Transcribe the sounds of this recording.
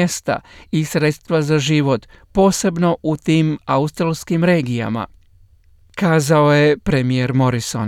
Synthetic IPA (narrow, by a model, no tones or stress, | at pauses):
est̪a̰isɾe̞t̪st̪ʋazaʒiʋo̞t̪po̞ːse̞bno̞ʔut̪iːmaust̪ɾalˠskimɾe̞ːɡija̰ma̰ | kaːzaoje̞pɾe̞mijeɾmo̞ɾiso̞̰n